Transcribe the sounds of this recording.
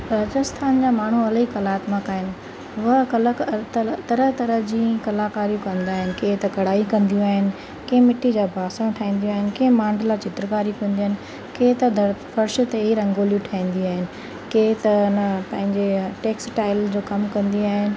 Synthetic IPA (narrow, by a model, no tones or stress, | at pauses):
ɾaːd͡ʑəst̪ʰaːnd͡ʑaːmaːɳ̤uɐlikɐlaːt̪makaːɦɪnɪ̆ | ʊəkɐlt̪t̪ɐɾət̪ɐɾəd͡ʑĩːkɐlaːkaːɾijũkɐ̃nd̪aːɦɪnɪ̆keɦɪ̃t̪ɐkɐɽ̤aːikɐ̃nd̪ijũaːɦɪnɪ̆ | kẽɦɪ̃mɪʈːid͡ʑaːbʱaːsəɽ̃ʈʰaːɦĩːnd̪ijũaːɦɪnɪ̆kẽɦɪ̃mãːɳɖəlat͡ɕɪt̪ɾkaːɾiũkɐ̃nd̪iaːɦɪnɪ̆ | kẽːɪ̃t̪ɐd̪fɐɾʃ̆t̪eɦiɾɐ̃ŋɡoːljũʈʰaːĩːn̆d̪iaːɦɪnɪ̆ | ket̪ɐnpɐ̃ɦɪ̃ɲd͡ʑeʈeːksʈaːɪld͡ʑoːkɐmkɐ̃nd̪iaːɦɪnɪ̆